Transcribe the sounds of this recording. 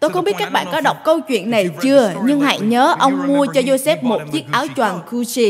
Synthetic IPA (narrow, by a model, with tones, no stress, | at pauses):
t̪o˧jxə˧ŋ͡mi˦˥ət̚ka˦˥k̚ɓa̰ː˧˨kɔ˨˦ɗə˨˩wk͡p̚kə˧wt͡ɕwḭ˧˨ənːa˨˩jt͡ɕɨ˧əɲɨ˧ŋha̰˧˨jɲəː˨˦ʔə˧wŋ͡mmu˧ət͡ɕɔ˧zo˧sɛ˦˥p̚mo˨˩t̚zi˦˥ək̚ʔaː˨˦wt͡ɕwaː˨˩nku˧t͡ɕi˧